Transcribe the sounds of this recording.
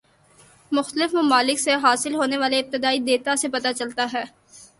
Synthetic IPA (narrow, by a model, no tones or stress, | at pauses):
mʊxt̪əlɪfmɐmaːlɪkseɦaːsɪlɦoːneʋaːleɪp̚t̪ɪd̪aːid̪eːt̪asepɐt̪at͡ʃɐlt̪aɦɛː